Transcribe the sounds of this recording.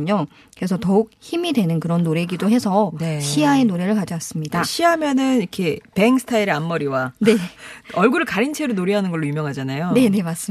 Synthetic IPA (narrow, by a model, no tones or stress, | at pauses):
ɲʌ | kɯɾe̞sʰʌtʌuk̚çimidwe̞nɯnkɯɾʌnːoɾe̞ɡidoɦe̞sʰʌɕʰiaenoɾe̞ɾɯɭkad͡ʑas͈ɯmɲidaɕʰiɦamjʌnɯnikʰe̞pe̞ŋsʰɯ̥tʰaiɾeamːʌɾiwane̞ʌɭɡuɾɯɭkaɾint͡ɕʰe̞ɾonoɾiɦanɯnɡʌɭːoumjʌŋɦad͡ʑanajone̞ne̞mas͈ɯ